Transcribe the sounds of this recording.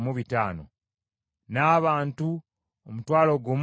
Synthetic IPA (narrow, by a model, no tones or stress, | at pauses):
muβitaːno̰ | naːβaːntu | omutwaːlo̞ɡo̞ːm